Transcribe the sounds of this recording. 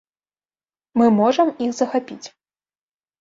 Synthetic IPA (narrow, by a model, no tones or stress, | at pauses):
mɨmɔʐɐmixzɐxapʲit͡sʲ